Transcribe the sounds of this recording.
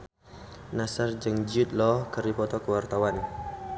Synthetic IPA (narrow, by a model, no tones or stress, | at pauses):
nasard͡ʒəŋd͡ʒut̪̚lɔhkəɾipɔt̪ɔkəwart̪awan